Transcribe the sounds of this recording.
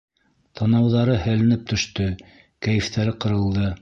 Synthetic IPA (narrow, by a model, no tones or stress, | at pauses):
t̪ʰɑnɑwðɑɾɤhɘ̆lɘ̆nɘp̚t̪ɵ̆ʃt̪ɵ | kæjɘ̆ft̪ʰæɾɘqɤ̆ɾɤ̆lˠd̪ɤ